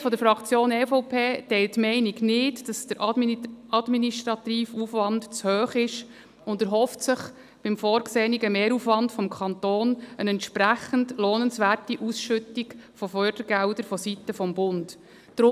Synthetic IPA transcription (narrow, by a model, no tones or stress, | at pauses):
fɔdəɾfɾɑkt͡sjoːnɛfoʊpʰeːtɛɪltːmɛɪniɡnɪtd̥ɑsd̥əɾʔɑɑdminiʃtɾɑtiːfufʋɑndt͡shøːχɪʃ | ʊndæɾɦɔftsɪχ | b̥ɪmfɔːɾkseːniɡəmeːɾufʋɑndfɔmkʰɑnt̪oːnənɛntʃpɾæχəndlɔːnənsʋæːrtiʔusʃʏtikfɔfœɾd̥əɾɡæwdəɾfɔsitːəfɔmbʊnd | d̥ɾʊ